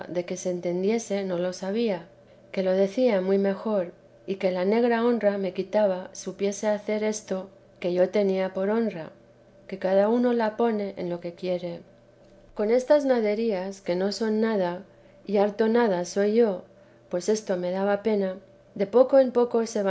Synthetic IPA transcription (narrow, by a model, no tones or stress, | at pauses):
ðe̞ke̞se̞ːnt̪e̞nd̪je̞se̞no̞lo̞saβ̞ia | ke̞lo̞ðe̞θiamwijme̞xo̞ɾ | ike̞lane̞ɣ̞ɾao̞nrame̞kit̪aβ̞asupje̞se̞aθe̞ɾe̞st̪o̞ | ke̞ʝo̞t̪e̞niapo̞ɾo̞nra̰ | ke̞kaðauno̞lapo̞ne̞ʔḛnlo̞ke̞kje̞ɾe̞ | ko̞ne̞st̪aznaðe̞ɾiaske̞no̞so̞nːað̞a | iaɾt̪o̞nað̞aso̞jʝo̞ | pwe̞se̞st̪o̞me̞ðaβape̞na | ðe̞po̞ko̞empo̞ko̞se̞βa